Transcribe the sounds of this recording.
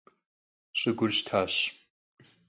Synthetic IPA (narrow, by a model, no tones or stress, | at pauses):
ɕʼɪɡʷʊrɕtʰaːɕ